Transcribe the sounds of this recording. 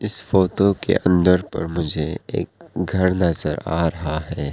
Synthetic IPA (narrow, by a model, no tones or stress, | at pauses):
ɪsfoːtokḛʔɐ̃nd̪əɾpɐ̰ɾmʊd͡ʒʱeḛːk̚ɡʱɐɾnɐzəɾaːɾɐɦaɦɛː